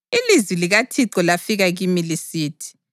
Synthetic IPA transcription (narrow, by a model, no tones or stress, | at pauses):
ilizwiliɣatʰiǃɔlafiɣaɣimilisiːtʰi̥